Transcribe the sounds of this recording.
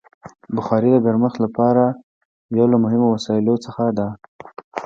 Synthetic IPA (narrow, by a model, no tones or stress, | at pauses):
bʊxɑɾid̪əd̪əɾməxlapɑɾa | jawlamʊɦɪmowasɑɪlot͡səxad̪a